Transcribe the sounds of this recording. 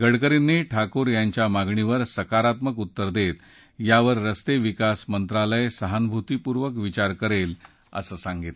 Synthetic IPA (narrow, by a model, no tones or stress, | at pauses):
ɡəɽkəɾinːiʈʰakuɾjaɲt͡ɕjamaɡɳiʋəɾsəkaɾat̪məkut̪ːəɾd̪et̪ | jaʋəɾːəst̪eʋikasmənt̪ɾaləjesəɦanbʱut̪ipuɾʋəkʋit͡ɕaɾkəɾel | ə̰səːsãŋɡit̪